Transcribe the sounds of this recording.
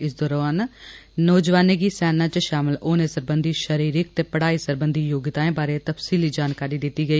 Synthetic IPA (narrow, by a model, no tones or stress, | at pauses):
ɪsd̪oːɾaaːnnoːd͡ʒʋaːneːɡiːsɛːnãːt͡ʃʃaːməloːnẽːsəɾbənd̪ʱiːʃəɾiːɾɪk̚t̪eːpəɽ̤aːiːsəɾbənd̪ʱiːjoːɡɪt̪aːẽːbaːɾeːt̪əpsiːliːd͡ʒaːnkaːɾiːd̪ɪt̪ːiːɡəiː